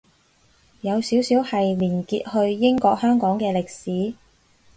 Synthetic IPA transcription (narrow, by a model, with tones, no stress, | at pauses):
jɐ˨˧wsiː˨˥wsiː˨˥whɐ˨jliː˨˩nkiː˧t̚hɵ˧ɥjɪ˥ŋkɔː˧k̚hœː˥ŋkɔː˨˥ŋkɛː˧lɪ˨k̚siː˨˥